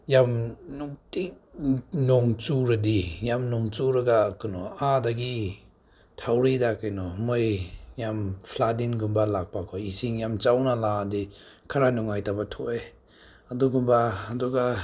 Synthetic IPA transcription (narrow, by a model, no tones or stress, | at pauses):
jamnuti | nɔŋt͡ʃuɾadijamnɔŋt͡ʃuɾaɡakɯnɔadaɡi | tʰawɾidakɯjnɔmɯjjampʰladinɡumbalak̚pakʰɔisiŋjamt͡ʃawnaladikʰaɾanuŋajtabatʰɔ̰e | aduɡumbaːduɡa